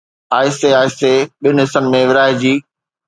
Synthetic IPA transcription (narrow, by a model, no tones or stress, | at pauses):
aːɪseaːɪseɓɪnɦɪsənɪ̆mẽʋɪɾaːɪd͡ʑiː